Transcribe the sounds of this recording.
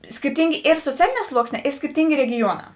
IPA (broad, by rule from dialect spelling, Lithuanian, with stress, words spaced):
sʲkʲɪrʲˈtʲiːŋʲɡʲeː ɪr soːˈt͡sʲæːlʲeːˌnʲɛː ˈslˠuɔksʲˌnʲɛː ɪr sʲkʲɪrʲˈtʲiːŋʲɡʲeː rʲɛɡʲɪˈjuɔˌnɑː